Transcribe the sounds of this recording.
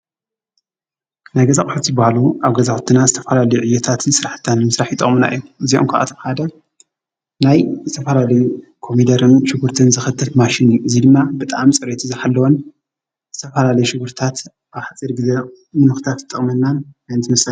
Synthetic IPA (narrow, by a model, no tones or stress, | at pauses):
najɡɐzakʼħut̪zɨbahluʔaβɡɐzaxʼt̪ʰɨnazɨt̪ʰɐfɐlalɐjuʕɨjːɛt̪ʰat̪ʰɨnsɨɾaħt̪ʰːanːɨmɨsɾaħjit̪ʼɨ̰χʼmɨna̰ʔɨ̰jːuʔɨzio̰mkʰɐʔa̰t̪ʰɐħad̪ɐ | najzɨt̪ʰɐfɐlalɐjukʰo̞mid̪ɐɾɨnʃɪɡuɾt̪ʰɨnzɨxɨt̪ʰːɨlmaʃinjuʔɨzid̪ɨmːabɨt̪ʼaamt͡sʼɨɾet̪ʰizɨħalːɐwon | zɨt̪ʰɐfɐlalɐjuʃɨɡuɾt̪ʰat̪ | aβħat͡sʼiɾɡɨze | mɨnɨxɨ̥t̪ʰat̪t̪ʼːɨχʼmɐnːanajnt̪ʰɨmɐsɐ